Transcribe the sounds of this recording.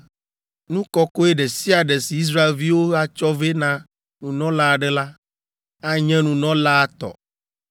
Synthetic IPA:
nũ˦kɔ˦ko˦e˦ɖe˨si˦a˨ɖɛ˨si˨i˦s̬ɾa˦e˨lvi˦wo˦ɦa˦t͡ʃɔ˦ve˦nã˨ | nũ˨nɔ̃˦la˦˨ɖɛ˦la˦ | a˦ɲɛ̃˦nũ˨nɔ̃˦la˦a˦t̪ɔ̰˨

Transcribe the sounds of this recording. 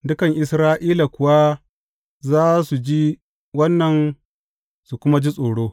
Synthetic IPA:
dʊ˦kɐ˨ŋʔɪ˨sɾaː˦ʔiː˦la˨kʷʊ˨wa˦ | zaː˦su˨d͡ʒi˦ | wɐ˦nːɐ˨n | su˨kʷʊ˦ma˦d͡ʒi˦sʼoː˨ɽoː˦

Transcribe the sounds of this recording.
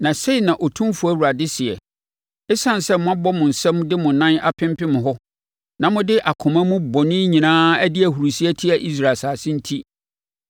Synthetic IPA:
nã˨se˦i˨nã˨ʔɔ˨tʰũ˦mfu˨æ˦wu˨ɾa˨dɪ˦sɪ˨ɛ̰˨ | ɛ˦sã˦n˨sɛ˦mʊ̃˦a˦bɔ˦mʊ̃˨n̩˨sɛ˦mʊ̃˦dɪ˦mʊ̃˨nã˦na˨pʰɪ̃˦m˦pɪ˦mʊ̃˨ɦɔ˦ | nã˨mʊ̃˦dɪ˦ʔa˨kʰʊ˨mã˦mũ˦bɔ˨nɪ̃˦ɲĩ˨nãː˦æ˦dɪ˦æ˨hu˨ɾu˨si˦ɛ˦tʰi˦a˨ʔi˦s̬ɾa˨saː˨sɪ̃˦n̩˦tʰi˦

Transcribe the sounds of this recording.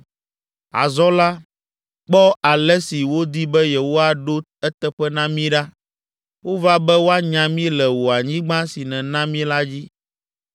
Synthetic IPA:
a̰˨zɔ˦la˦ | k͡pɔ˦a˨lɛ˦si˨wo˦d̪i˦bɛ˦jɛ˨wo˦a˦ɖo˦ | ɛ˦t̪ɛ˦ɸɛ˦nã˦mĩ˦ɖa˦ | wo˦va˦bɛ˦wo˦a˦ɲã˨mĩ˦lɛ˨wo˨a˨ɲĩ˦ɡ͡bã˦si˨nɛ̃˨nã˦mĩ˦la˦d͡ʑi˦

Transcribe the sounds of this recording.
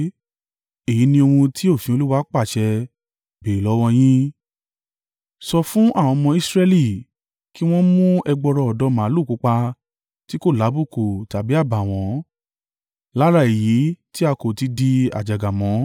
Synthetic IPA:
e˨ji˨˦nĩ˧o˧hũ˧tʰi˦o˦˨fĩ˦o˧lu˦wa˦k͡pa˦˨ʃɛ˧ | be˨lɔ˨˦w̃ɔ̃˧j̃ĩ˦ | sɔ˧fũ˦ʔa˦˨w̃ɔ̃˧mɔ̃˧i˦sɾɛ˧li˦˨ | ki˦w̃ɔ̃˦mũ˦ɛ˧ɡ͡bɔ˧ɾɔ˧ɔ˨dɔ˧˦mãː˨˦lu˦˨ku˨˦k͡pa˧ | ti˦ko˦˨la˨˦bu˦˨ko˨ta˨bi˨˦a˦˨ba˨w̃ɔ̃˨˦ | la˦ɾa˦˨e˨ji˨˦ti˦a˧ko˨ti˧di˧a̰˨d͡ʒa˨ɡa˨mɔ̃˨˦

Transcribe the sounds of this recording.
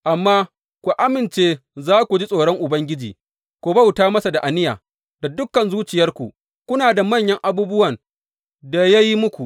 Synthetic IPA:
ʔa˨mːaː˦ | kʷu˨ʔa˦mɪ˨nt͡ʃeː˦zaː˦kʷu˨d͡ʒi˦sʼoː˨ɽɔ˦ŋʔʊ˨bɐ˦ŋɡʲɪ˦d͡ʒḭː˨ | kʷu˨bɐ˦wtaː˦mɐ˦sa˨da˨ʔa˨nɪ˦ja̰ː˨ | da˨dʊ˦kːɐ˨nzuː˦t͡ʃɪ˨jɐ˦rkʷu˨ʔ | kʷʊ˦naː˨da˨mɐ˦˨ɲjɐ˦ŋʔa˦buː˦bʊ˦wɐ˨n | da˨ja˦ji˦mʊ˦kʷu˨ʔ

